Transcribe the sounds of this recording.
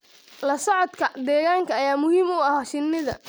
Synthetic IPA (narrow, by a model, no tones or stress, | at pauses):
lɐsɔʕɔd̪kʰɐd̪ɛːɣaːŋkʰɐːjaːmʊhiːmʊɐhaːʃɪnːɪðɐ̰